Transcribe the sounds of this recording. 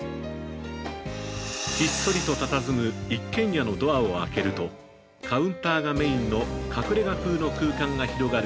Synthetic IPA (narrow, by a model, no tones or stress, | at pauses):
çit̪ːo̞ɾʲit̪o̞t̪at̪azɨmɯ̟ikːẽ̞ɰ̃jano̞d̪o̞ao̞a̰ke̞ɾɯ̟t̪o̞ | kʰaɯ̟̃nt̪aːɡame̞ĩnːo̞kʰakɯ̟ɾe̞ɡakɯːno̞kɯ̟ːkãŋɡaçiɾo̞ɡaɾɯ